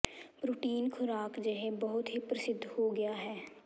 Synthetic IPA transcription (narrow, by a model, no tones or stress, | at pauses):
pɾʊʈiːnkʰʊɾaːkd͡ʒəɦẽbɐɦʊt̪ɦipɾɐsɪd̪ʱːhoɡɐjaɦɛː